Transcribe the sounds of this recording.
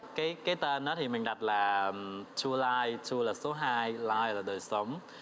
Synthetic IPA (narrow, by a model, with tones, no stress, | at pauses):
kaː˨˦jkaː˨˦jt̪əː˧˩nɔː˨˦˥t̪ʰi˨˩mɨ˨˩ŋ̟ɗa˨˩t̚laː˨˩t͡ɕu˧əlaː˧jt͡ɕu˧əlaː˨˩so˨˦ɦaː˧jlaː˧jlaː˨˩ɗoː˨˩jso˨˦m